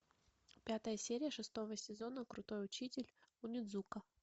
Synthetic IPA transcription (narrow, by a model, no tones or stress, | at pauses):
pʲat̪əjəsʲeɾʲɪjəʂɨst̪o̞vəsʲɪzo̞nəkɾʊt̪o̞jʊt͡ɕitʲɪlʲʊnʲɪd̪zukə